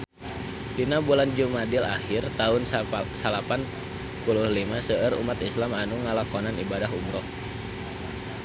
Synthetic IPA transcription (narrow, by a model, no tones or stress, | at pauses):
dinabuland͡ʒumadɪla̰hɪrt̪aʊnsalapan | pulʊhlimasəʔəɾṵmat̪islamanuŋalakɔnanḭbadaɦumɾɔh